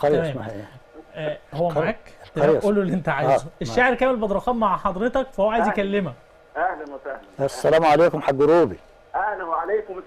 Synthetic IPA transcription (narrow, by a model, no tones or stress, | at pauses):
xæmæːmː | howːæmaʕaːkt̪ːɾʔoːlːolːiʔent̪æʕaːjzʔeʃʃːaʕeɾkæːmelbɑd̪ˤɾˤɑxɑːt̪maʕħɑd̪ˤɾet̪ɑkfæhowæʕajezjkælːemhæ | ʔahlænwæsahæsːælæːmʕaleːkomħaɡːoɾuːbi | ʔæhnæwʕalejkom